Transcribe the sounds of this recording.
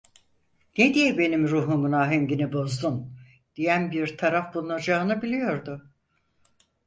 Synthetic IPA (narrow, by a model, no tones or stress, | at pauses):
ned̪ijɛbe̞nimɾuːɦuŋɡunaːɦemɟinibo̞zd̪un | d̪̥ijænbiɾt̪ʰaɾafbulˠunad͡ʒaːɯnɯbilʲijo̞ɾd̪ʊ